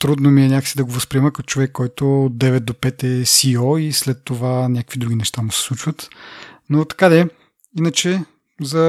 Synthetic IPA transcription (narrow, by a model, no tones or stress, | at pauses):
t̪ɾud̪nomiɛnʲakə̥sid̪ɐɡovəspɾiɛməkɐt̪o̥t͡ʃovɛkːɔjt̪oːd̪̚d̪ɛvɛt̪̚d̪opɛt̪ɛsiɔislɛt̪ːovanʲakə̥kvid̪ɾuɡʲinɛʃt̪amʊsɛ̥slˠut͡ʃvət̪not̪ɐ̥kad̪ɛ | inət͡ʃɛ | zɐ